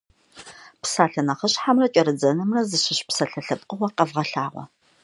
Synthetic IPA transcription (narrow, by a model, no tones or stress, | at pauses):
psaːɬɐnɐχəɕħamrɐt͡ʃʼɐɾɨd͡zɐnɨmrɐzɨɕɪɕpsɐɬɐɬɐpʼqʼəwɐqɐvʁɐɬaːʁʷɔ̰